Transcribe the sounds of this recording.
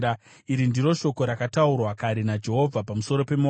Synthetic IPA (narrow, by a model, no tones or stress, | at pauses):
a | iɾindiɾo̞ʃo̞ko̞ɾakataurwakaɾinad͡ʒe̞ɦo̞vʱapamuso̞ɾo̞pe̞mo